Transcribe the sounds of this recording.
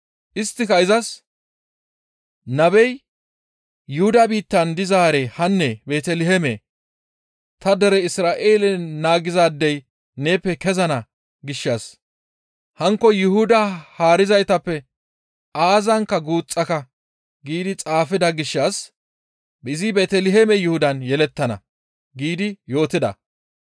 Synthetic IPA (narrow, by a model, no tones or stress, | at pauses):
ʔɪst̪ːɪkɐɪzɐs | nɐbɛj | jʊhʊd̪ɐbiːt̪ːɐnd̪ɪzaːɾehɐnːɛbeːt̪ɛlɪɦɛmḛː | t̪ɐd̪ɛɾɛɪsɾaːʔe̞ːlɛnaːɡɪzaːd̪ːɛj | ne̞ːpːɛkɛzɐnɐ | ɡɪʃːas | hɐŋkːɔjʊhʊd̪ɐhaːɾɪzɐjt̪ɐpːɛ | aːzɐŋkːɐɡuːt͡sʼːɐkɐ | ɡiːd̪ɪt͡sʼaːfɪd̪ɐɡɪʃːas | bɪzɪbeːt̪ɛlɪɦemɛjʊhʊd̪ɐnjɛlɛt̪ːɐnɐ̰ | ɡiːd̪ɪjo̞ːt̪ɪd̪ɐ̰